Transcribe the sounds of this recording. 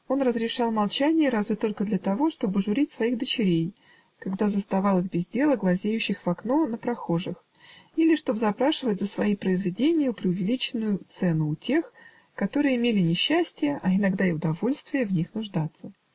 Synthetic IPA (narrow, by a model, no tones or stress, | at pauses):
o̞nrəzɾʲɪʂɑlˠmɐlˠt͡ɕænʲɪjəɾazvʲɪt̪o̞lʲkəd̪lʲət̪ɐvo̞ʂt̪o̞bɨʐʊɾʲitʲsvɐixd̪ət͡ɕɪɾʲej | kɐɡd̪azəst̪ɐvɑlˠɨxbʲɪzʲdʲe̞lˠəɡlˠɐzʲejʉɕːɪxv̥ɐkno̞nəpɾɐxo̞ʐɨx | ilʲɪʂt̪o̞bzɐpɾaʂɨvətʲzəsvɐipɾəɪzvʲɪdʲenʲɪjʊpɾʲɪʊvʲɪlʲit͡ɕɪnːʊjʊt̪sɛnʊːtʲe̞x | kɐt̪o̞ɾɨjəɪmʲelʲɪnʲɪɕːæsʲtʲɪjəʔɐɪnɐɡd̪aɪʊd̪ɐvo̞lʲst̪vʲɪjəvnʲixnʊʐd̪at̪sːə